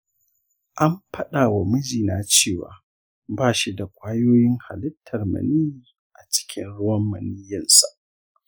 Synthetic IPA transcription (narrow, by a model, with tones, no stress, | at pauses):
ʔa˦mɸʰɐ˦ɗaː˨wa˨mʊ˦d͡ʒiː˨naː˦t͡ʃeː˦˨wa̰ː˨ | baː˦˨ʃi˦da˨kʷaː˦joː˦jɪ˦ŋha˨lɪ˦tʰːɐ˨rmɐ̰˨niː˦ | ʔa˨t͡ʃɪ̥˦kʲʰɪ̰˦nɽʊ˦wɐ˦mːɐ̰˨nɪ˦jːɐ˨nsa˨ʔ